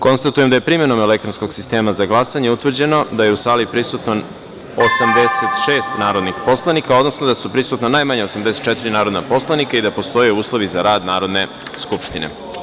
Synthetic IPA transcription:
ko̞nst̪at̪uje̞md̪ajepɾime̞no̞melek̚t̪ɾonsko̞ɡsist̪e̞ːmazaɡlˠasaɲeut̪ʋr̩d͡ʑe̞no̞d̪ajeusaːlipɾisut̪no | osamd̪eset̪ʃe̞ːst̪naːɾo̞d̪nixpo̞slˠanikao̞d̪no̞snod̪asupɾisut̪nonajmaɲeo̞samd̪ese̥t̪̚t͡ʃɛt̪iɾinaːɾo̞d̪napo̞slˠanikaid̪apo̞st̪o̞jeuːslˠo̞ʋizaɾaːd̪naːɾo̞d̪ne̞ | skupʃt̪inḛ

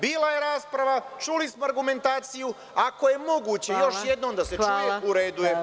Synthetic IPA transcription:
biːlaje̞ɾaːspɾaʋat͡ʃulismoaɾɡume̞nt̪aːt̪siju | ako̞je̞mo̞ɡuːt͡ɕe̞jo̞ʃjed̪nomd̪ase̞t͡ʃujeuɾe̞ːd̪uje

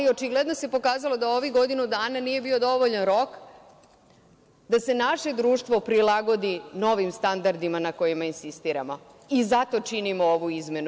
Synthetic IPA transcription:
io̞t͡ʃiɡle̞d̪nose̞po̞kaːzalo̞d̪ao̞ʋiɡo̞d̪inud̪aːnanije̞bio̞d̪o̞ʋoʎanɾo̞k | d̪ase̞naʃe̞d̪ɾuːʃt̪ʋo̞pɾilˠaɡo̞d̪ino̞ʋimst̪and̪aɾd̪imanako̞jimainsist̪iːɾa̰mo̞ | izat̪o̞t͡ʃinimooʋuizme̞nu

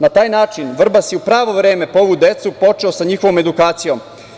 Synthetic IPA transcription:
nat̪aːjnaːt͡ʃinʋr̩basjeupɾaːʋo̞ʋɾe̞ːme̞poo̞ʋud̪e̞t̪supo̞t͡ʃeosaɲiːxo̞ʋome̞d̪ukaːt̪sijo̞m

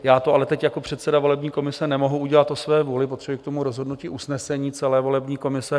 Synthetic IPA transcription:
jaːt̪oalɛt̪ɛcjako̞pr̥ɛt̪sɛdavo̞lɛbɲiːko̞mɪsɛnɛmo̞ɦuuɟɛlat̪osvɛːvuːlɪpot̪r̥ɛbuɪkt̪o̞muɾozɦo̞dnuciːʔusnɛsɛɲiːt͡sɛlɛːvo̞lɛbɲiːko̞mɪsɛ

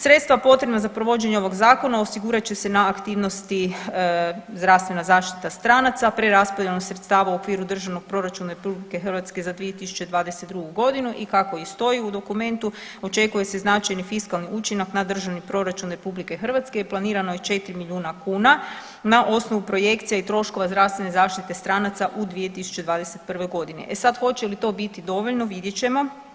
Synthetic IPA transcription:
sɾe̞t̪st̪ʋapo̞t̪ɾenazapɾo̞ʋo̞d͡ʑe̞ɲeo̞ʋo̞ɡzaːko̞naosiɡuɾat͡ɕe̞se̞naːkt̪iːʋno̞st̪i | zd̪ɾast̪ʋe̞nazaːʃt̪i̥t̪ast̪ɾanat̪sapɾe̞ɾaspod̪jelnoɡsɾe̞t̪st̪aːʋauo̞kʋiːɾud̪r̩ʒaʋno̞ɡ̚pɾo̞ɾat͡ʃunaɾepublike̞xərʋat̪ske̞zad̪ʋije̞t̪isu̥t͡ʃe̞d̪ʋaːd̪eset̪d̪ɾuɡuɡo̞d̪inuʔikako̞ist̪o̞jiud̪o̞kume̞nt̪uo̞t͡ʃe̞kuje̞se̞znat͡ʃajnifiskalˠniʔut͡ʃinaknad̪r̩ʒaʋnipɾo̞ɾat͡ʃunɾe̞publike̞xər̩ʋat̪skejeplˠaniːɾanojet͡ʃe̞t̪ɾimiʎuːnakuːna | naʔo̞sno̞ʋupɾo̞je̞kt̪sijait̪ɾo̞ʃko̞ʋazd̪ɾaʋst̪ʋe̞ne̞zaːʃt̪it̪e̞st̪ɾanat̪saʔud̪ʋije̞t̪isu̥t͡ʃe̞d̪ʋaːd̪e̞se̞t̪̚pr̩ʋe̞jɡo̞d̪ine̞̰ʔesad̪xo̞t͡ʃelit̪o̞ːbit̪id̪o̞ʋo̞ʎno̞ʋid̪jet͡ɕe̞mo̞

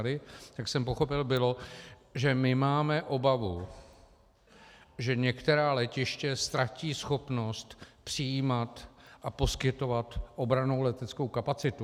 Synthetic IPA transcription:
dɪt̪aksɛmpo̞xo̞pɪlbɪlo̞ | ʒɛmɪmaːmɛʔo̞bavu | ʒɛɲɛkt̪ɛɾaːlɛcɪʃcɛst̪ɾaciːsxo̞pno̞st̪pr̥ɪjiːmat̪ʔapo̞skɪt̪o̞vat̪ʔo̞bɾanowlɛt̪ɛt͡skowkapat͡sɪt̪u

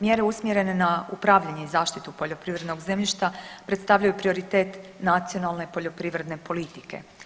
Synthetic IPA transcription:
mjeɾe̞usmjeɾe̞ne̞naupɾaːʋʎaɲe̞izaːʃt̪it̪upo̞ʎo̞pɾiːʋɾe̞d̪noɡzemʎiʃt̪apɾe̞t̪st̪aʋʎajupɾio̞ɾit̪e̞ːt̪nat̪sio̞nalˠne̞po̞ʎo̞pɾiʋɾe̞d̪ne̞po̞lit̪i̥ke̞̰

